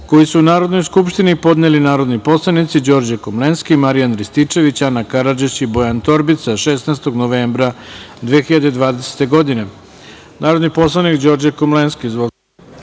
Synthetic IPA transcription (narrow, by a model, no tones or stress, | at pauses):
ko̞jisuunaːɾo̞d̪no̞jskupʃt̪inipo̞d̪nelinaːɾo̞d̪nipo̞slˠanit̪sid͡ʑo̞ɾd͡ʑekomlenskimaɾijanɾist̪it͡ʂe̞ʋit͡ɕanakaɾad͡ʒet͡ɕibo̞jant̪o̞ɾbit̪saʃesnast̪o̞ɡnoʋeːmbɾad̪ʋeːxiʎad̪ed̪ʋaːd̪e̞se̥t̪e̞ɡo̞d̪ine̞ | naːɾo̞d̪nipo̞slˠanikd͡ʑo̞ɾd͡ʑekomlenskizʋo